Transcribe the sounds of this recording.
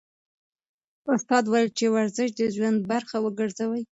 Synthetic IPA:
ʊst̪ɑd̪wajilt͡ʃewaɾzɪʃd̪əʒwand̪̚baɾxawəɡəɾzawəj

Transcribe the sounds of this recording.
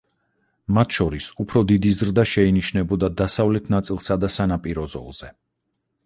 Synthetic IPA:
mat̪ʰʃɔɾisupʰɾɔd̪id̪izɾd̪aʃɛiniʃnɛbɔd̪ad̪asavlɛt̪ʰnat̪sʼilˠsad̪asanapʼiɾɔzɔ̰lˠz̥ɛ

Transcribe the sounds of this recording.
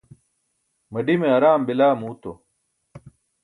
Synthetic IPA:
mɐɖimeɐɾaːmbilaːmuːt̪o

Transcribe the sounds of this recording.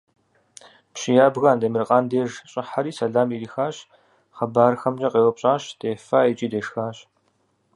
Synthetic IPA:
pɕɪjaːbɣandɐmɨrqʼaːndeːʒɕʼɪħaɾiːsɐɮaːmiːɾiːxaːɕ | χɐbaːrxɐmʑɐqʼeːwɔpɕʼaːɕd̥eːfaːet͡ʃʼiːdeːʂxaːɕ

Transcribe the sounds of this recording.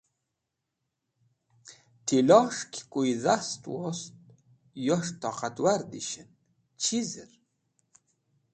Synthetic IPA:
t̪ʰilɑʂkʰʲkʼujizast̪ʼwɔst̪̚ | jɔʂt̪ʰɑqat̪waɾd̪ḭʃən | t͡ʃʰizəɾ

